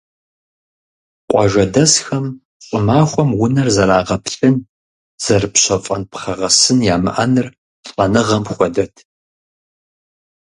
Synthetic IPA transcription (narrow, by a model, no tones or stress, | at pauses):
qʷʼɔ̰ʒɐdɐsxɐm | ɕʼɪmaːχʷɔmwʊnɐrzɐɾaːʁɐpɬʼɨn | z̥ɐrpɕɐfʼɐnpχɐʁɐsɨnjaːmɨ̰ʔɐnɨr | ɬʼɐnɨʁɐmχʷɔdɐtʰ